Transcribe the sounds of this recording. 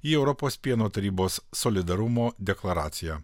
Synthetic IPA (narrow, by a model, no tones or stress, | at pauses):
iːɛʊɾɔpoːspʲiɛnoːt̪ɐɾʲiːboːsːɔlʲɪd̪ɐɾʊmoːd̪ʲɛklˠɐɾɑːt̪sʲɪjæː